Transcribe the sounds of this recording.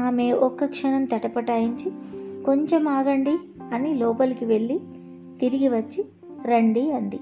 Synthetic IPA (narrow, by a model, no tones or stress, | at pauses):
aːme̞ːʔɔkːɐkʂɐnɐmt̪ɐʈɐpɐʈaːjiɲt͡ʃiko̞ɲt͡ʃemaːɡɐɳɖi | ɐnilɔːpɐlkiʋe̞ɭːi | t̪iɾiɡiʋɐt͡ʃːi | ɾɐɳɖiɐnd̪i